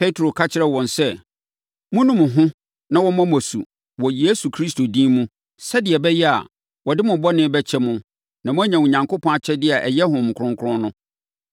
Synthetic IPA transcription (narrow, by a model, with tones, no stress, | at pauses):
pʰe˦tʰɾo˨kʰa˦t͡ɕʰɪ˦ɾɛ˦wɔ̃˨nsɛ˦ | mʊ̃˦nʊ̃˦mʊ̃˨ɦʊ̃˦ | nã˨wɔ˦mã˦mɔ˨sṵ˨ | wɔ˨jeː˦su˨kʰɾi˦sto˨dĩː˦mũ˦ | sɛ˦dɪ˨ɛ˨bɛ˦jɛ˦a̰˨ | wɔ˨dɪ˦mʊ̃˨bɔ˦nɪ̃˦bɛ˦t͡ɕʰɛ˦mʊ̃˦ | nã˨mʊ̃˦æ˦ɲã˨u˨ɲã˨ŋkʰo˦pʰɔ̃˦a˨t͡ɕʰɛ˦dɪ˦a˨ʔɛ˨jɛ˦ɦʊ̃˨m̩˨kʰʊɾʊ̃˦ŋ˦kʰʊ˦ɾʊ̃˦nʊ̃˦